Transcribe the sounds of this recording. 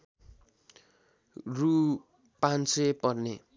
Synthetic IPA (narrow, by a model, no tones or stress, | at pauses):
ru | pansepʌrne